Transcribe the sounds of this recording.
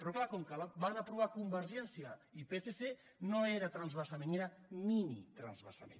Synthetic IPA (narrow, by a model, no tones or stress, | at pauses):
pɾɔklakɔmkəlaβanəpɾuβakumbəɾʒɛnsiəipesese | noeɾət̪ɾanzβəsamẽneɾəminit̪ɾa̰nzβə̰sa̰mḛn